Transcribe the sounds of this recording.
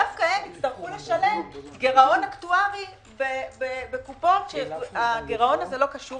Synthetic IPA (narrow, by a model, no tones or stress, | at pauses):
afkajemitt͡st̪aʁχuleʃale̞mtɡe̞ʁao̞naktuaʁi | bebebekupo̞tʃeaɡeʁao̞nazelo̞kaʃu